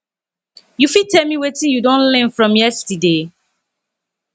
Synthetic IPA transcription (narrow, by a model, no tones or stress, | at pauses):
jufid̚tʰɛlmiwetĩŋjudõnlɛ̃nfɹɔ̃mjɛstide